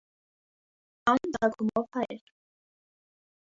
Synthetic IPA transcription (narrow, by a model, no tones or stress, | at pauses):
ɑnd̪aɡʰumɔvhaɛɾ